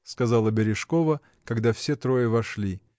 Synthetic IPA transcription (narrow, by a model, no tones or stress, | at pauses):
skɐzalˠəbʲɪɾʲɪʂkovə | kɐɡd̪afsʲet̪ɾojɪvɐʂlʲi